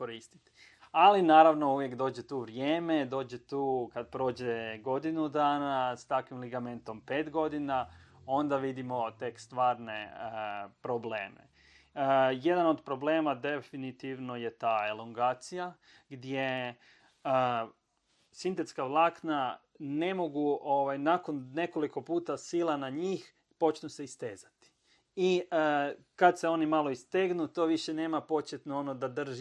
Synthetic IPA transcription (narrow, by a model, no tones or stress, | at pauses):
koɾist̪i̥t̪i | alinaːɾaʋno̞uʋje̞kd̪o̞ːd͡ʑet̪uːʋɾjeːme̞d̪o̞ːd͡ʑe̞t̪uːkad̪̚pɾo̞ːd͡ʑeɡo̞d̪inud̪aːnast̪akʋimliɡame̞nt̪o̞mpe̞ːt̪ɡo̞d̪inao̞nd̪aʋid̪imo̞t̪e̞kst̪ʋaːɾne | pɾoble̞ːmḛ | je̞d̪ano̞d̪pɾo̞ble̞ːmad̪e̞finit̪iʋno̞je̞t̪aːelˠoŋɡaːt̪sija | ɡd̪je | ə | sint̪e̞t̪skaʋlˠaːkna | ne̞mo̞ɡuoʋajnako̞nːe̞ko̞liko̞puːt̪asiːlˠanaɲiːx | po̞t͡ʃnuse̞ist̪e̞ːzat̪i̥ | iə | kad̪se̞o̞nimalˠo̞ist̪eɡnut̪o̞ːʋiʃe̞ne̞ːmapo̞t͡ɕjet̪nuonod̪ad̪r̩ʒ